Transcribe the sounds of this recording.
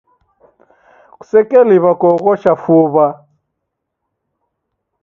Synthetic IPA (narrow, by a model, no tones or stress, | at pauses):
ku̥sɛkʼɛliβakʼɔɣɔʃafuːβa